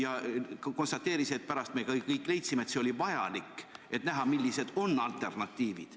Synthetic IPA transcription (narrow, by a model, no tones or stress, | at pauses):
jɑko̞nst̪ɑt̪ːeːɾiseet̪̚pæɾɑst̪mekɑkɤjkːˑle̞jt̪simet̪seo̞lʲivɑjɑlikːe̞t̪næɦɑmilːise̞d̪̥o̞nːɑlt̪ːˑe̞rnɑt̪ːˑiːvḭd̪̥